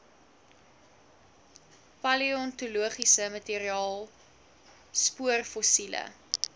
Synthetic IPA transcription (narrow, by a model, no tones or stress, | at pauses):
pɐliɔntuluəχisəmɐteɾiɑːlˠ | spuərfosilə̰